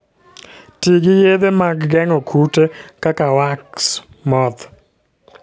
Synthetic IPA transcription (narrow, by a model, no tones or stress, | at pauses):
tiɡɪjed̪emaɡɡɛŋɔkʰutekakawaks | mɔd̪